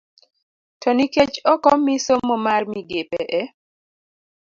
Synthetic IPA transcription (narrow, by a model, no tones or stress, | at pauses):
tʰɔniket͡ʃɔkɔmisomːɔmarmiɡepɛʔɛ